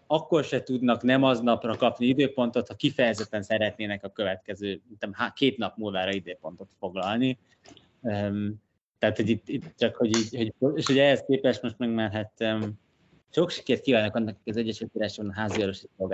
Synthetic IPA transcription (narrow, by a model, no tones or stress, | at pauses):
ɒkːo̞rʃɛt̪ud̪nɒknɛmɒznɒprɒkɒpniid̪øːpo̞nt̪ot̪hɒkifɛjɛzɛt̪ːɛnsɛɾɛt̪neːnɛkɒkøvɛt̪kɛzøːint̪ɛmhakeːt̪nɒpmuːlvaːɾɒid̪øːpo̞n̪t̪o̞t̪fo̞ɡlɒlni | øm | t̪ɛɦat̪ho̞ɟit̪ːit̪t͡ʃɒkho̞ɟiːɟho̞ɟoeːʃho̞ɟɛɦɛskeːpɛʃmo̞ʃt̪mɛɡmaːrɦat̪ø | ʃo̞kʃi̥keːrt̪kiːvaːnɒkɒnːɒki̥kɒzɛɟːɛʃylkiɾaːʃɛnɦaːziɒloʃisolɡa